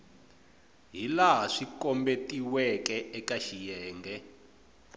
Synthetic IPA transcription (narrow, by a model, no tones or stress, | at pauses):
ɦilaɦaʂikɔmbetiwɛkɛʔɛkaʃijɛːŋɡɛ